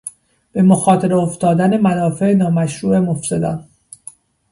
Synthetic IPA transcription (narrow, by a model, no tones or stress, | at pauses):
b̥e̞mo̞xɒːt̪ʰe̞ɾeoft̪ɒːd̪æne̞mænɒːfe̞enɒːmæʃɾuːʔe̞mo̞fse̞d̪ɒ̰ːn